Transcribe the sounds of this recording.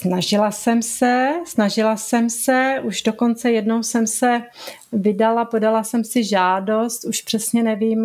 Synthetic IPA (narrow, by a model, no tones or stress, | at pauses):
snaʒɪlasɛmsɛsnaʒɪlasɛmsɛʔuʒdoko̞nt͡sɛjɛdnowsɛmsɛ | vɪdalapo̞dalasɛmsɪʒaːdo̞st̪uʃpr̥ɛsɲɛnɛviːm